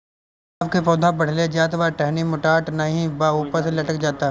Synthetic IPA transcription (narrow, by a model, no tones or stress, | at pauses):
bkepɔːd̪ʱabɐɽ̤led͡ʒaːt̪ʋaːʈɛɦnimʊʈaːʈnɐɦĩbaːuːpəɾselɐʈəkd͡ʒaːt̪a